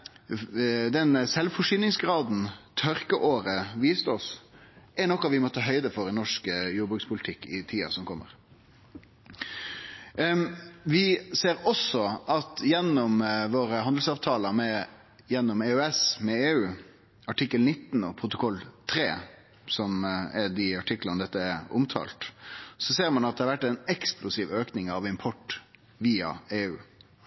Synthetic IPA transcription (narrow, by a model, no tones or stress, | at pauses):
d̪ɛnsɛlʋfɔʂʏnɪŋsɡɾɑːd̪n̩t̪ʰœɾkəʔoːɾəʋiːst̪əɔsʔɛɳɔkːɑʋɪmɔt̪ːʰɑːɦœʏd̪əfɔɾɪnɔʂkjuːbʁʉktspʰʊlt̪ʰɪkːɪt̪ʰiːɑ̰sɔmkʰɔmːə̰ɾ | ʋɪseːɾɔsɔʔɑt̪jɛnːɔmʋoːɾəhɑnd̪l̩sɑːʋt̪ʰɑːləmɛ | jɛnːɔmeːʉɛsmɛeːʉː | ɑʈʰɪkːəlnɪt̪ːnɔ̰pʰʁʊt̪ʊkʰɔlːt̪ʰɾeː | sɔmɛd̪ɪɑʈʰɪkːlɑnd̪ɛt̪ːəɛɾʊ̰mt̪ʰɑ̰ːlt̪sɔseːɾmɑnɑt̪̚d̪ɛhɑɾʋæʈːɛnɛksplʊsiːʋøːknɪŋɑʋɪmpʰɔʈ | ʋiːɑ̰eːʉː